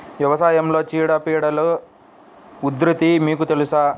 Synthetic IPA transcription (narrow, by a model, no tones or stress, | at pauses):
ʋjɐʋɐsaːjɐmlot͡ɕiːɽɐpiːɽɐlɐ | ud̪ɾit̪imiːkut̪elusa